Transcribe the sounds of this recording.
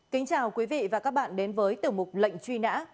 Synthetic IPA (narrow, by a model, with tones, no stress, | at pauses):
kï˨˦ŋ̟t͡ɕaː˨˩wkwi˨˦vḭ˧˨vaː˨˩kaː˦˥k̚ɓa̰ː˧˨nɗe˨˦nvəː˨˦jt̪ɨ˨˧˩mʊ˨˩k͡p̚lə̰˧˨jŋ̟t͡ɕwi˧na̰ː˧˥